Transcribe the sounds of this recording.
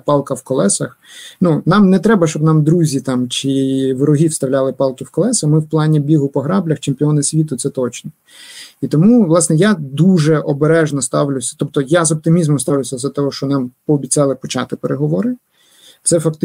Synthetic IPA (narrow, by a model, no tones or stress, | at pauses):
pɑlˠkɐwkɔlˠɛsɐxnunɑmnɛt̪ɾɛbɐʃt͡ʃɔbnɑmd̪ɾuzʲit̪ɑmt͡ʃɪʋɾɔɦʲiwst̪ɐʋlʲalˠɪpɑlˠkɪwkɔlˠɛsɐxmɪwplˠɑnʲibʲiɦʊpɔɦɾɑblʲɐxt͡ʃemʲpʲiɔnɐsʲʋʲit̪ʊt̪sɛt̪ɔt͡ʃnɔ | it̪ɔmuʋlˠɑsnɛjad̪uʒɛʔɔbeɾɛʒnɔst̪ɑwlʲʊwsʲɐ̥t̪ɔp̚t̪ɔjazɔp̚t̪ɪmʲizmɔmst̪ɑʋlʲʊwsʲɐzɐt̪ɔɦɔʃt͡ʃɔnɑmpɔːbʲit͡sʲɑlˠɪpɔt͡ʃɑ̰t̪ɪpeɾʔeɦɔʋɔɾɪ | t̪sɛfɐkt̪